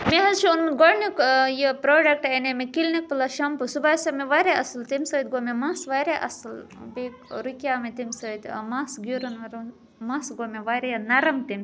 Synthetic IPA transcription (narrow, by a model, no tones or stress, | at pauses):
meɦɐzt͡ʃʰiunɡonikjipɾoːɖɐk̚ʈɐnemekilnik̚pɨlɐʃɐmpusubaːsɐmeʋaɾeʔɐslt̪imsɐːt̪̚ɡomemɐsʋaɾeʔɐ̰slbekɾukʲjaːmet̪imsɐt̪ʲmɐsɡuɾunʋɐɾ | mɐsɡomeʋɐɾejɐnɐɾɐmt̪im